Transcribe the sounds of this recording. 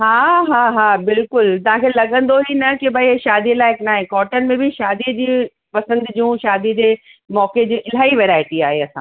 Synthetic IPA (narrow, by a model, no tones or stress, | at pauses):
ɦaːɦaːɦaːbɪlkʊlt̪ɐɦãkʰelɐɠə̃nd̪oɦinɐkibʱɐiʃaːd̪ilaːɪknaːɦẽkɔːʈənɪ̆mẽbʱiʃaːd̪id͡ʑiː | pɐsə̃nd̪d͡ʑũʃaːd̪id͡ʑeː | mɔːked͡ʑũʔɪl̤aːiʋeːɾaːɪʈiaːɦeɐsãː